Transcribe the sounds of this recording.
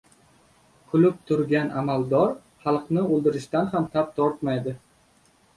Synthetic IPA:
kʰʊlɪp̚t̪ʰʊɾɡʲanʔamalˠd̪ɒɾ | χɑlˠqnɪolˠd̪ɪɾɪʃt̪anhamt̪ʰap̚t̪ʰɒɾt̪majd̪ɪ

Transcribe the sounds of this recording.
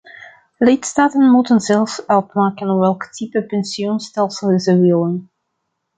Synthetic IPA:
lɪtstaːtənmutənzɛlˠfsɛlˠpmaːkənʋɛlˠkə̥tʰipəpɛnsiɔnstɛlˠsəlˠəzəʋɪlən

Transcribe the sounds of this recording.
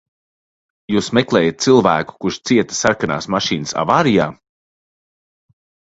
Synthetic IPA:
juːsmeklˠɛːjat̪̚silˠvæːku̥kuʃt̪siɛt̪ɐ̥saɾkana̰ːsmaʃiːnɨsa̰vaːɾijaː

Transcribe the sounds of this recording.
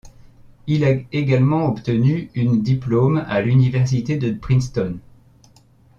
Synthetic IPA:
ilaeɡalmɑ̃ɔpt̪ənyynd̪iplomalynivɛʁsit̪ed̪əbχĩnst̪ɔn

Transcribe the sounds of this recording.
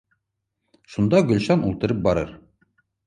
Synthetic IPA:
ʃund̪ɑɡɵ̆lʲɕɑnulˠt̪ɤ̆ɾɤp̚bɒɾɤ̰ɾ

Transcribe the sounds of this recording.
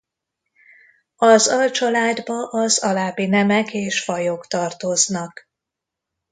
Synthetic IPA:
ɒzɒlt͡ʃɒlaːd̪bɒʔɒzɒlaːbinɛmɛkeːʃfɒjokt̪ɒrt̪o̞znɒk

